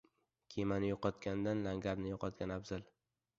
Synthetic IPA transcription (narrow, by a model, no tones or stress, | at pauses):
kʲʰemanɪjoqɒt̪kʲʰand̪anlaŋɡʲaɾnɪjoqʰɒt̪̚ɡʲanabzal